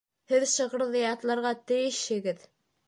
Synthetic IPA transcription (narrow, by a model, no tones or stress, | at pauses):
hɘðʃɤ̆ʁɤ̆ɾðɤjɑt̪lˠɑɾʁɑt̪ɘ̆jɘ̆ʃhɘ̆ɡɘð